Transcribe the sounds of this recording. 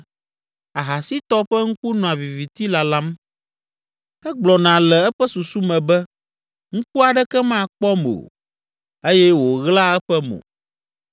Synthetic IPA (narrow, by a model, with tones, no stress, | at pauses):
a˨ɦa˨si˦t̪ɔ˦ɸɛ˦ŋ̩˦ku˦nɔ̃˨a˨vi˨vi˨t̪i˦la˨la˦m | ɛ˦ɡ͡blɔ˨nã˨lɛ˨ɛ˦ɸɛ˦su˨su˦mɛ̃˨bɛ˦ | ŋ̩˦ku˦a˨ɖɛ˦kɛ˦mã˦˨k͡pɔ˦mo̰˨ | e˦jɛ˦wo˨ɣla˦ɛ˦ɸɛ˦mo̰˨